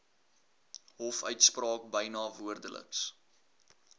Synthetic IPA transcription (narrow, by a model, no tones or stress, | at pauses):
ɦɔfœɥtsprɑːk̚bəjnɑːvuərdələ̰ks